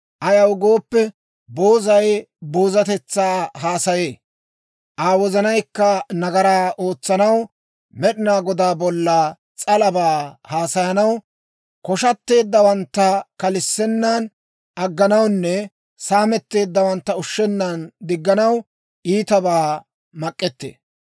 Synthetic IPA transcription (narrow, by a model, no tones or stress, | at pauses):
ʔɐjɐwɡo̞ːpːɛ | bo̞ːzɐj | boːzɐt̪ɛt͡sːaːhaːsɐje̞ː | ʔaːwɔzɐnɐjkːɐnɐɡɐɾaːʔo̞ːt͡sːɐnɐw | mɛɗɪnaːɡɔd̪aːbɔlːɐ | t͡sʼɐlɐbaːhaːsɐjɐnɐw | kɔʃɐt̪ːe̞ːd̪ːɐwɐnt̪ːɐkɐlɪsːɛnːaːn | ʔɐɡːɐnɐwnːɛ | saːmɛt̪ːe̞ːd̪ːɐwɐnt̪ːɐʊʃːɛnːaːnd̪ɪɡːɐnɐw | ʔiːt̪ɐbaː | mɐkʼːɛt̪ːḛː